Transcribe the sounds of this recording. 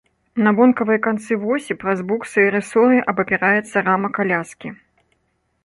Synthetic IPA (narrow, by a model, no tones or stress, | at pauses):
nɐbɔnkɐvɨjɐkant̪sɨvɔsʲipɾɐzbuksɨjɐɾɨsɔɾɨʔɐbɐpʲɛɾajɛt̪sːɐɾamɐkalʲaskʲi